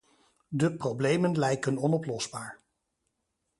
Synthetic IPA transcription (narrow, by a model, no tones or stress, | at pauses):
dəprowblejmənlɛjkənɔnɔplɔzbaːɹ